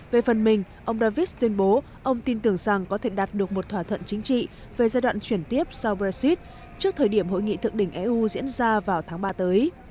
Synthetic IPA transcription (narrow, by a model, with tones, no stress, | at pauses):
ve˨˩fə˨˩nmï˨˩ŋ̟ | ʔə˧wŋ͡mɗaː˧vi˦˥t̪wi˧ənɓo˨˦ | ʔə˧wŋ͡mt̪i˧nt̪ɨ˨˧˩əŋza˨˩ŋkɔ˨˦t̪ʰe˧˩ɗaː˨˩t̚ɗɨ˨˩ək̚mo˨˩t̚t̪ʰwaː˧˩t̪ʰə̰˧˨nt͡ɕï˨˦ŋ̟t͡ɕḭ˧˨ | ve˨˩zaː˧jɗwa̰ː˧˨t͡ɕwi˧˩ənt̪i˦˥əp̚sa˧wbɛ˧si˦˥t̚ | t͡ɕɨ˦˥k̚t̪ʰəː˨˩jɗi˧˩əmɦo̰˧˨jŋḭ˧˨t̪ʰɨ˨˩ək̚ɗï˧˩ŋ̟ʔɛ˧ʔu˧zḭ˧˥ənzaː˧vaː˨˩wt̪ʰaː˨˦ŋɓaː˧t̪əː˨˦j